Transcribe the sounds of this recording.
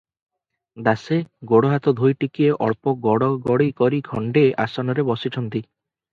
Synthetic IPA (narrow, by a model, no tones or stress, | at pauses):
d̪aseɡoɽoɦat̪ɔd̪ʱojʈikieʔɔɾpɔɡɔɽɔɡɔɽijkɔɾiɡʱɔɳɖeʔa̰sɔnɔɾebɔsit͡ʃʰɔnt̪i